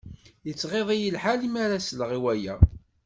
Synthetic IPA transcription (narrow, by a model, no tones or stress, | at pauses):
jət͡sːʁeðˤijəlħalimaɾasləʁiwæjæ